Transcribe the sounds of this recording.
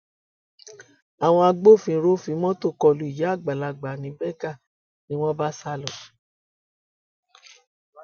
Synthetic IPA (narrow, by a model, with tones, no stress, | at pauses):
a˨w̃ɔ̃˧a˧ɡ͡bo˦˨fĩ˧˦ɾo˦fĩ˧˦mɔ̃˦to˦˨kɔ˧˨lu˨˦i˦˨ja˨˦a˦˨ɡ͡ba˨la˧˨ɡ͡ba˨nĩ˨˦bɛ˦ka˦˨ | nĩ˦w̃ɔ̃˦ba˦sa˦lɔ˨